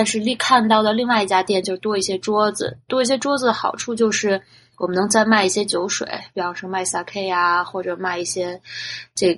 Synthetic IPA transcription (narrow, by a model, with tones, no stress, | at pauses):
t̪a˥˧nʂɻ̩˥˧li˥˧kʰa˥˧nt̪ɑ˥˩ʊd̪ə˩li˥˧ŋwa˥˧ɪi˧˩t͡ɕja˥t̪jɛ˥˩nt͡ɕjo˥˧ʊ˩t̪wɔ˥i˥˩ɕjɛ˥ʈ͡ʂwɔ˥d͡zɹ̩̰˨˩t̪wɔ˥i˥˩ɕ̬jɛ˥ʈ͡ʂwɔ˥d͡z̩˨˩d̪ə˩xɑ̰˨˩ʊʈ͡ʂʰu˥˧t͡ɕjo˥˧ʊʂɻ̩˥˩ | wɔ˨˩mə˦nɤ˧˥ŋt͡sa˥˧ɪma˥˧ɪi˥˩ɕjɛ˥t͡ɕjo˧˥ʊʂwḛ˨˩˦ɪpi˧˩ɑ˥˩ŋʂ̩˥˧ma˥˧ɪsa˥˩kʰe˥ɪa˧xwɔ˥˩ʈ͡ʂɤ˨˩ma˥˧ɪi˥˩ɕjɛ˥ʈ͡ʂɤ˥˩